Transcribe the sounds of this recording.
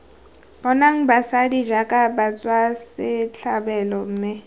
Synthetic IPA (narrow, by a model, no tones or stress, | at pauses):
b̥ɔnaŋ̩basadid͡ʒakʼabat͡sʼwasɪt͡ɬʰabɛlɔm̩ːmɪ